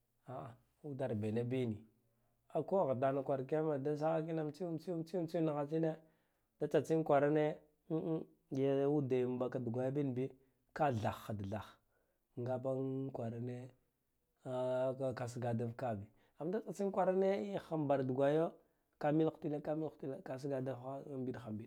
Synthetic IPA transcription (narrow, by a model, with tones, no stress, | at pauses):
a˨ʔa˨ | u˦da˨ɾbe˨ne˦bi˦ni˨ | a˨ko˦˨ɣa˨da˨na˨kʷa˨ɾka˦ma˨da˦s̬a˦ɣa˦k̬i˦na˦mt͡si˦t͡si˦t͡si˦t͡si˦na˨ɣa˨t͡ʃi˦ne˦ | d̥a˦t͡sa˨t͡si˦n˦kʷa˨ɾa˦ne˦ | jwu˦da˨m˨ba˨ka˨du˨ɡʷa˨ja˦bi˦n˨bi˦ | ka˦ɮa˨xːa˨dɮa˨x | ŋɡa˦ba˦ŋkʷa˨ɾa˨ne˦˨˦ | ka˨s̬ɡa˨da˦vka˦bi˨ | a˨ma˦da˦t͡sa˨t͡si˦n˦kʷa˨ɾa˦ne˦i˦xa˨mba˨ɾdu˨ɡʷa˨jo˦ | ka˨mi˦lxti˦la˦ka˦mi˦lxti˦la˦ka˨s̬ɡa˨da˦va˦˨mbi˦dxa˨mbi˦d